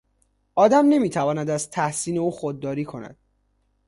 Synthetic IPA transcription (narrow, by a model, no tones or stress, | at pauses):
ʔɒːd̪æmne̞miːt̪ʰævɒːnæd̪æzt̪ʰæhsiːne̞uːxod̪̚ːɒːɾiːkʰo̞næ̰d̪̥